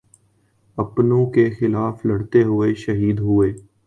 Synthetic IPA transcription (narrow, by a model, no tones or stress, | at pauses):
ɐpnõkexɪlaːflɐɽt̪eɦʊeʃɐɦiːd̪ɦʊeː